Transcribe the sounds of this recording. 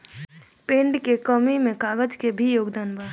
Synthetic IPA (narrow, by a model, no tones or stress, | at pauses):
pẽːɳɖkekəmimẽkaːɡəd͡ʒkebʱijoːɡd̪aːnbaː